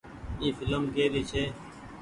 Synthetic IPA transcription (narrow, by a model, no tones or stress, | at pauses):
iːfɪləmkeːɾiːt͡ʃʰeː